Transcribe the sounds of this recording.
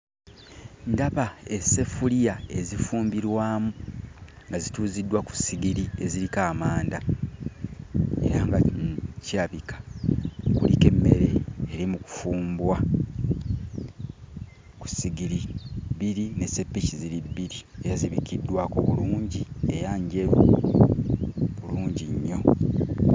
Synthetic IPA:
ndaβae̞se̞fulijae̞zifuːmbiɾwaːmu | ŋɡazituːzidːwaku̥siɡiɾie̞ziɾikaːmaːnda | e̞̰ɾaŋɡaciɾaβikʰḁ | kṵlike̞mːe̞ɾe̞ːɾimuku̥fuːmbwa | ku̥siɡiɾibiɾinese̞pːiciziɾibːiɾie̞jaziβikidːwaːko̞βuluːɲɟie̞jaɲɟe̞βu | βuluːɲɟiɲːo̞

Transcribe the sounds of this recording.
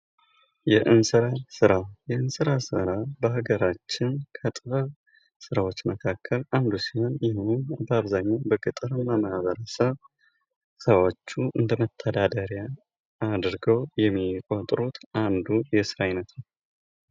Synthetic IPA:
jɛʔɨnsɨɾasɨɾajɛɨnsɨɾasɨ̰ɾabəɦaɡəɾat͡ʃːɪnkʰət̪ʼɨβa | sɨɾawo̞t͡ʃːməkʰakʰːəland̪usiho̞njɪhunbəaβzaɲːabəkʼɨt̪ʼɨɾmːamahaβəɾəsəβ | səwot͡ʃːuʔɨnd̪əmət̪ʰːəd̪ad̪əɾja | ad̪ɾɡəwjɛmːikʼot̪ʼɾut̪ʰʔand̪ujɛsɨɾaɪnət̪nəw

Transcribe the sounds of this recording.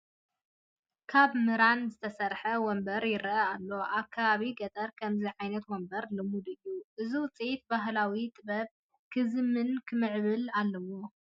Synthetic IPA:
kʰaβmɨɾanzɨt̪ʰɐsɐɾħɐwɔmbɐɾjɪɾʔɐalːo̞ʔakʰːaβaβiɡɐt̪ʼɐɾkʰɐmziʕajnɐt̪wɔmbɐɾlɨmud̪ɨjːuʔɨziwʊt͡sʼit̪̚baɦlawit̪ʼɨbɐβ̚ | kʰɨzɨmɨnkʰɨmɨʕβɨlalːɐwo

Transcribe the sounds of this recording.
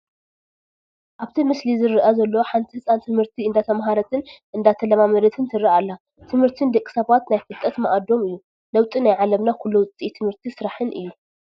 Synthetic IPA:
ʔaβt̪ʰimɨslizɨɾɨʔɐzɐlːɐoħant̪ʰihɨsʼant̪ʰɨmhɨɾt̪ʰiɨnd̪at̪ʰɐmɦaɾɐt̪ʰɨnʔɨnd̪at̪ʰɐlɐmamɐd̪ɐt̪ʰɨnt̪ʰɨɾiʔalːa | t̪ʰɨmhɨɾt̪ʰind̪ɐkʼːi̥sɐβat̪najfɨlt̪ʼːɐt̪mɐʔad̪o̞mɨjːu | lɐwt̪ʼinajʕalɐmnakʰulːuwʊt͡s̪ʼit̪ʰɨmhɨɾt̪ʰisɨɾaħɨnʔɨ̰jːu

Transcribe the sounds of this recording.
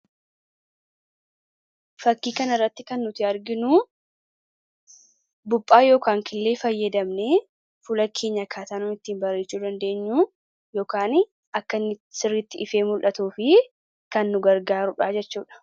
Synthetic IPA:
fɐkːiːkɐnɐɪrːɐt̪ːɪkɐnːʊt̪ɪɐɾɡɪnu | bʊpʼːaːjo̞ːkaːŋkɪlːe̞ːfɐjːɐd̪ɐmneː | fʊlɐkʰe̞ːɲːɐkʰaːt̪aːnʊɪt̪ːiːnbɐrːeːt͡ʃːuːd̪ɐnd̪e̞ːɲːuː | jo̞ːkaːn | ɐkːɐnɪsɪrːɪt̪ːɪʔɪfe̞ːmʊlʔɐt̪uːfɪ | kɐnːʊɡɐɾɡaːɾʊᶑaːd͡ʒɛt͡ʃːuːᶑɐ̥

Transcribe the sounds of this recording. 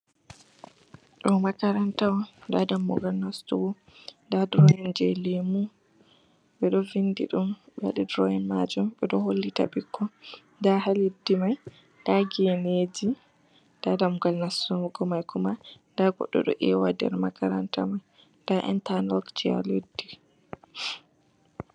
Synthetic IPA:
ɗɔmakaɾantawɔndadamːṵɡalnastṵwɔ | ndadɾɔjɛnd͡ʒɛlemu | ɓɛɗɔvindḭɗumɓɛaɗidɾɔjɛnmad͡ʒumɓɛɗɔholːita̰ɓikʰːɔndaɦaledːimaj | ndaɡɛned͡ʒi | ndadamuɡalnastuwuɡɔmajkʰɔmandaɡɔ̰ɗːɔ̰ɗɔ̰ʔɛwadɛ̰ɾmakaɾanta̰maj | ndaʔɛ̰ntanɔkt͡ʃia̰ledːi

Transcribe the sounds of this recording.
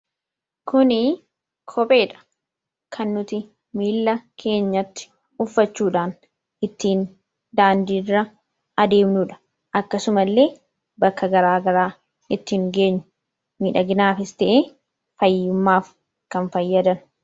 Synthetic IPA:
kʰʊnɪ | kʰɔpʼe̞ːᶑɐ̥ | kʰɐnːʊt̪ɪ | miːlːɐkʰe̞ːɲːɐt̪ːɪ̥ | ʊfːɐt͡ʃːuːᶑaːn | ʔɪt̪ːiːn | d̪aːnd̪iːrːɐ | ʔɐd̪e̞ːmnʊᶑɐ̥ | ʔɐkːɐsʊmɐlːe̞ː | bɐkːɐɡɐɾaːɡɐɾaː | ʔɪt̪ːiːŋɡe̞ːɲːʊ̥ | miːᶑɐɡɪnaːfɪst̪ɛʔeː | fɐjːʊmːaːf | kɐnfɐjːɐd̪ɐn

